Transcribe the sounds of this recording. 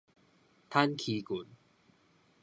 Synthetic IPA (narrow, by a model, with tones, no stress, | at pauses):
t̪ʰa˦˥nkʰi˨˧ku˨˦n